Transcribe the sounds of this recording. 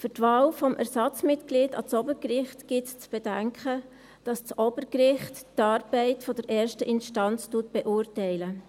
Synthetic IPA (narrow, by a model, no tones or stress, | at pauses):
fʏɾtʋɑːlfɔmʔæ̰ɾsɑt͡smɪtkliːdɑ̰t͡sɔbəɾkrɪχtɡ̥ɪtt͡sb̥ɛd̥æŋkχə | d̥ɑst͡sɔbəɾkrɪχttɑːɾb̥ɛɪtfɔd̥ɛɾʔɛːɾʃtəʔɪnʃtɑnt͡stuːt̚b̥ɛʔuːɾtɛɪlə